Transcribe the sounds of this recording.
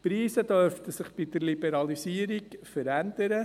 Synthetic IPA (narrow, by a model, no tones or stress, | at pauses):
pɾiːsəd̥œɾftəsɪχb̥id̥əɾlibɛɾɑlisiːəɾiɡfəɾænd̪əɾə